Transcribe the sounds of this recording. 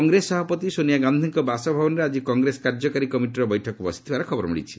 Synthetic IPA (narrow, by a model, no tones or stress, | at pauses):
ɔŋɡɾesɔbapɔt̪isonijaɡãnd̪ʱiŋkɔbasɔbʱabɔnɔɾead͡ʒikɔŋɡɾesɔ̥kaɾd͡ʒɔkaɾikɔmiʈiɾɔbɔjʈʰɔkɔbɔsi̥t̪ʰibaɾekʰɔbɔɾmḭɽḭt͡ʃʰi̥